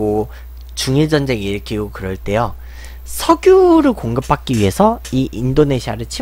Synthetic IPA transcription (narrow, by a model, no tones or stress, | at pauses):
o | t͡ɕuŋiɭd͡ʑʌnd͡ʑe̞ŋiɾɯkʰiɡokɯɾʌɭt͈e̞jo | sʰʌɡjuɾɯɭkoŋɡɯp̚p͈ak̚k͈iɥiɦe̞sʰʌiʔindone̞ɕʰiaɾɯɭt͡ɕʰi